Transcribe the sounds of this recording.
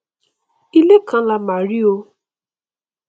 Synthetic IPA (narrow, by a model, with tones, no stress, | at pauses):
i˦le˦kʰã˦la˧ma˨ɾi˦o˧